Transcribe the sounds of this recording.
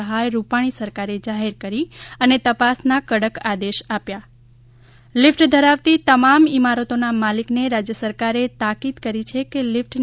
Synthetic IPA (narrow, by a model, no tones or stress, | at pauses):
əɦajɾupaɽ̃isəɾkaɾed͡ʒaɦeɾkəɾiənet̪əpasnakəɽəkad̪eʃapja | lɪfʈd̪ʱəɾaʋt̪it̪əmamimaɾət̪onamalikneɾad͡ʒjəsəɾkaɾet̪akid̪kəɾit͡ʃʰekelɪfʈn